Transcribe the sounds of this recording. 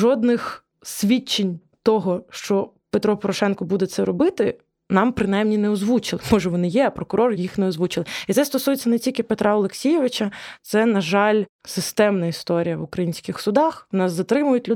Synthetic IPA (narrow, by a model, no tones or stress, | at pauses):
ʒɔd̪nɪx | sʲʋʲit͡ʃːenʲ | t̪ɔɦɔʃt͡ʃɔ | pet̪ɾɔpɔɾɔʃɛnkɔbud̪ɛt̪sɛɾɔbɪt̪ɪ | nɑmpɾɪnajmnʲinɛɔzʋut͡ʃɪlˠɪmɔʒɛʋɔnɪjɛɐpɾɔkʊɾɔrjixnɛɔzʋut͡ʃɪlˠɪit̪ɛst̪ɔsujet͡sʲːɐnɛtʲilʲkʲɪpet̪ɾʔɑɔlˠeksʲijɛʋɪt͡ʃɐt̪sɛnɐʒɑlʲsɪst̪ɛmnɐist̪ɔɾʲijɐʋʊkɾɐjinʲsʲkɪxsʊd̪ɑxnɑszɐt̪ɾɪmʊjʊtʲlʲʊ